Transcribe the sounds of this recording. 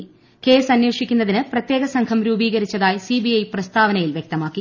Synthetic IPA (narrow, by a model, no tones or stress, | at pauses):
ke̞ːsɐnjeːʂikʲːunːɐðinɨprɐt̪je̞ːɣɐsɐŋkʰɐmɾuːbiːɣɐɾit͡ɕːɐðaːjsibijɐjprɐst̪ʰaːʋɐnɐjilʋjek̚t̪ɐmaːkːi